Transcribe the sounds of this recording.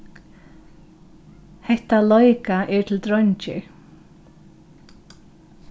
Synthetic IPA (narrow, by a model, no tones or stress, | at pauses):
hɛht̪alɔjkaʔɛɹt̪ʰɪlt̪ɾɔɲt͡ʃɪ̰